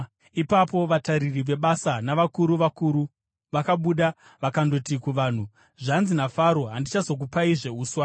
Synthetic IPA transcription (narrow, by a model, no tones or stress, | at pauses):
ipapo̞ʋataɾiriʋe̞ɓasanaʋakuɾuʋakuɾu | ʋakaɓuɗa | ʋakando̞tikuʋaːn̤u | ʐanzinafaɾo̞ɦandit͡ʃazo̞k̬upaiʐe̞uːswa